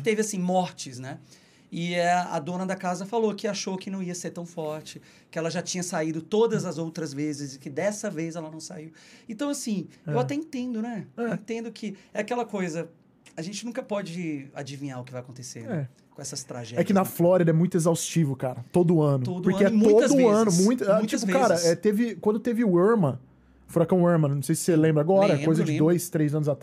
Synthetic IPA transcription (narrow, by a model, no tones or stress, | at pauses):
t̪evɪasĩmɔɾt͡ʃɪsnɛ | ɪɐɐ̰d̪õnɐd̪ɐkazɐfalokɪaʃokɪnɐ̃w̃iɐseɾt̪ɐ̃w̃fɔɾt͡ʃɪ | kɪɛlɐʒat͡ʃĩɲɐsaid̪ʊt̪od̪ɐzɐzowt̪ɾɐzvezɪzɪkɪd̪ɛsɐvezɛlɐnɐ̃w̃saiwẽt̪ɐ̃w̃asĩewat̪ɛĩt̪ẽnd̪ʊnɛɛẽnt̪ẽnd̪ʊkʰɪɛakɛlɐkojzɐ | ɐʒẽnt͡ʃɪnũkɐpɔd͡ʒɪa̰d͡ʒivĩɲaɾʊkɪvajɐkõt̪esenɛ | kõɛsɐst̪ɾa̰ʒɛɛkɪnɐflɔɾid̪ɐɛmũj̃t̪ʊezawst͡ʃivʊkaɾɐt̪od̪ʊɐ̃nʊod̪ʊɾeɛmũoɐd̪ʊɐ̃nʊmũj̃t̪ãt͡ʃip̬ʊkaɾɐɛt̪evɪkwɐ̃nd̪ʊt̪evɪueɾmɐ̃ | fɾakɐ̃w̃eɾmɐnɐ̃w̃sejsɪ̥selẽbɾaɡɔɾɐɛ̃ojzɐd͡ʒɪ̃d̪ojst̪ɾejzɐ̃nʊzat̪ɾa